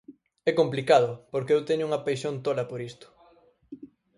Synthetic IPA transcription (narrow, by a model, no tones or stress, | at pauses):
ɛkomplikað̞ʊpoɾkeewt̪eɲʊuŋɐpajʃont̪olɐpoɾist̪ʊ̥